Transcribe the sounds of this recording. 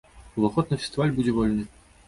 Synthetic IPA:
uvɐxɔt̪nɐfʲe̥st̪ɨvalʲbud͡zʲɛvɔlʲnɨ

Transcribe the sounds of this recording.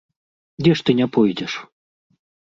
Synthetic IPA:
dʲɛʂt̪ɨnʲɛpɔjdʲɛʂ

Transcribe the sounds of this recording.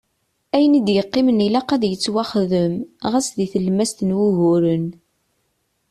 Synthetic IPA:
æjənid̪jəqːɪmənilæqæðjət͡sːwæχðəmʁæsðiθəlmæst̪ənwuʝʊɾən

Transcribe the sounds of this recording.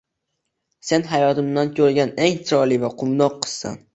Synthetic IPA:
se̞nɦajɒt̪ɪmd̪ankʲʰɵɾɡʲaneŋt͡ʃʰɾɒlivaqʰʊmnɒqʰːɨ̥zsa̰n

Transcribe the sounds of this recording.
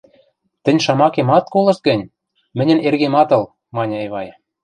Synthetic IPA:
t̪ɘ̆nʲʃɑmɑkemɑt̪̚kolɤ̆ʃt̪̚ɡɘ̆nʲ | mɘ̆nʲɘ̆nerɣemɑt̪ɤ̆l | mɑnʲɤ̆eβɑj

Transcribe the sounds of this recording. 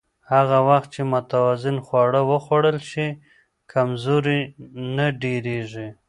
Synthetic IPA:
haɣawaxt̪̚t͡ʃemʊt̪awɑzɪnxwɑɽəwəxwaɽəlʃi | kʰamzoɾinaɖeɾeʐi

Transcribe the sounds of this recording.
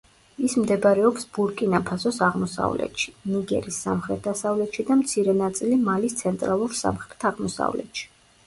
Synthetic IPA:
ismd̪ɛbɾɛɔpsb̥uɾkʼinapʰasɔsaʁmɔsa̰vlɛ̰t̪ʃi̥niɡɛ̰ɾisːa̰mχɾɛt̪̚ʰd̪asavlɛt̪ʃid̪amt̪sʰiɾɛnat̪sʼilimalist̪sʰɛnt̪ʼɾalˠuɾsa̰mχɾɛt̪ʰaʁmɔsa̰vlɛ̰t̪ʃi̥

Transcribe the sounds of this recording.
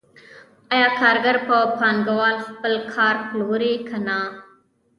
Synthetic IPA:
əjaːkʰaːɾɡəɾpɐpʰaːnɡɐʋaːlxpəlkʰaːɾkloːɾeːkʰɐnaː

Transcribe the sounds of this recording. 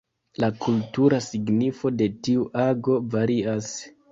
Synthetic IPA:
lakultuɾasiɡnifo̞de̞tiuʔaɡo̞vaɾias

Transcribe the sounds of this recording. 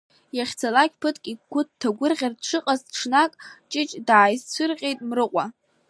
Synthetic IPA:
jaχʲt͡sʰalakʲpʰɨtʰkʼikʷʊttʰːaɡʷʊrʁʲardʈ͡ʂʰɨqʼazʈ͡ʂʰnakʼt͡ʃʼɪt͡ʃʼdaːjzt͡sʷʰʊrqʲʼejtʼmrɨqʷʼa

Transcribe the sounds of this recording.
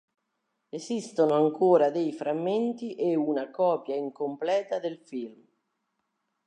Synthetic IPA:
esist̪onoaŋkʰoːɾad̪ejfɾamːent̪iʔeunakɔːpjaiŋkomplɛːt̪ad̪elfilm

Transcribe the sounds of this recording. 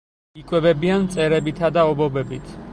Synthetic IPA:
ikʼwɛbɛbiant̪sʼɛɾɛbit̪ʰad̪aɔbɔbɛbit̪ʰ

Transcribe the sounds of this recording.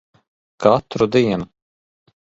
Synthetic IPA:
kat̪ɾud̪iɛnu

